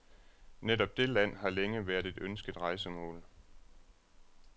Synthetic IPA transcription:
nedɒ̽b̥̚d̥e̝læn̰ɦɑ̈leŋəʋæːɐdˠe̝d̥ønsɡ̥əd̥ˠʁɑ̈ɪsəmɔ̰̽ːl

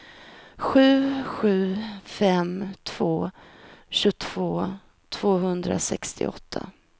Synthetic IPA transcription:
ɧʉ̟ːɧʉ̟ːfɛmt̪ʰv̥oː | ɕɵt̪ʰv̥oː | t̪ʰv̥oːɦɵnd̪ɾa̰sɛkst̪ɪ̰ʔɔ̰t̪ʰːa̰

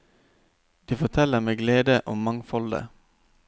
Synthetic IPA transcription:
d̪̥iːfɔʁt̪ʰɛləʁmeːɡleːd̪əʔʊmmɑŋfɔld̪ə̰

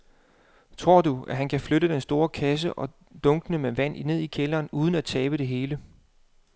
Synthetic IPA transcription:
t͡sʰʁo̝ɐ̰duæɦænkʰæfløɾəd̥ensd̥o̝ːɐkʰæs̬əʔɒ̽ | d̥ɔ̽ŋɡ̥nəmeʋæn̰ine̝ð̞̰ˠikʰelɐːnuːð̞ˠn̩æt͡sʰɛːb̥əɾ̥e̝ɦe̝ːlə

